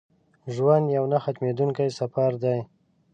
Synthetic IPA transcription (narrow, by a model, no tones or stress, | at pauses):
ʒwand̪jawnaxat̪med̪uŋkajsafaɾd̪aj